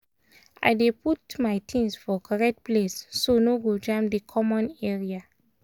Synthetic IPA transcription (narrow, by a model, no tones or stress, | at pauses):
a̰ɪdeputmajtʰĩnsfɔkaɹɛt̚plesːonoɡod͡ʒãmdikʰɔmɔ̃nɛɹia